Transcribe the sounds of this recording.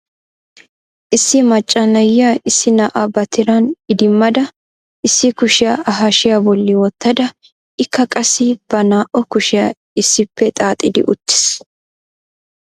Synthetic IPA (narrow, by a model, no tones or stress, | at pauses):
ʔɪsːɪmɐt͡ʃʼːɐlɐjaɪsːɪnaːʔabɐt̪ɪɾɐnɪd̪ɪmːɐd̪ɐ | ʔɪsːɪkʊʃɪjaɐɦɐʃɪjabɔlːɪwɔt̪ːɐd̪ɐ | ʔɪkʰːɐkʼɐsɪb̥ɐnaːʔɔkʊʃɪja | ɪsːɪpːɛt̪ʼaːt̪ʼːɪd̪ɪ̰ʔʊt̪ːɪ̥s